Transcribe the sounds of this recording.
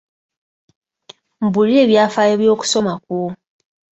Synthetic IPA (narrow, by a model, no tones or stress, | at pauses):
m̩bulie̞ːβjaːfaːjeβjo̞ːku̥so̞mak̚wo